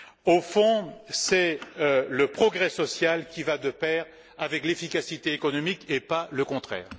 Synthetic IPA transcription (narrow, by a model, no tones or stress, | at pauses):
ofɔ̃sɛ | ləpχɔɡʁɛsɔsjalkʲivad̪əpɛʁ | avɛklefikasit̪eekɔnɔmikepaləkɔ̃t̪χɛ̰ːʁ